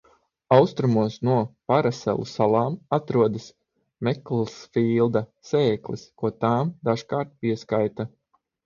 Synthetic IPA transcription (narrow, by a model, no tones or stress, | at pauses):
awst̪ɾumuɔsnuɔpaɾasɛ̰lˠṵsalˠɑːmat̪ɾuɔd̪as | mɛklˠsfiːlˠd̪aseːklḭskuɔt̪aːmd̪aʃkaːɾt̪̚piɛskajt̪a